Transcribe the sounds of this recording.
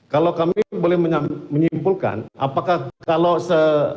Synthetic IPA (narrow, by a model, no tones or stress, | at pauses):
kalawkamibolɛhməɲaməɲimpulka̰nʔa̰pakahkalosə